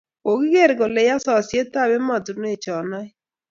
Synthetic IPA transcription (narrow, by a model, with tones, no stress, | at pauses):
o˨ɡi˦ɡe˦˨ɾɡo˨le˨ja˦sɔ˨sje˦ta˦˨be˦mɔ˨du˨n˦e˨t͡ʃɔ˨nɔ˦ɪ˦